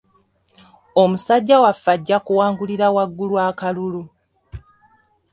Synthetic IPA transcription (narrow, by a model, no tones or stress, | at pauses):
o̞musaɟːawafːaɟːakuwaːŋɡuliɾawaɡːulwakalulu